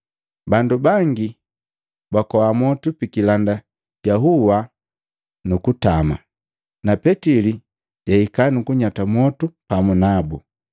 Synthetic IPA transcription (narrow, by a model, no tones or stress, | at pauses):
bandubaŋɡi | bakɔwamɔtupikilanda | ɟaɦuwa | nukutama | napɛtili | ɟaikanukuɲatamɔtupamunabu